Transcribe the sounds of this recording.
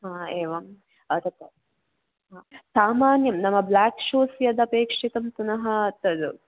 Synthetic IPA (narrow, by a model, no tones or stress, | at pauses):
ɦaːeːʋɐm | ɐt̪ɐt̪ːɐ | ɦaːsaːmaːnjɐmnɐmːɐblaːkʂoːsjɐd̪ɐpeːkʂit̪ɐmp̪unɐɦɐt̪ɐd̪u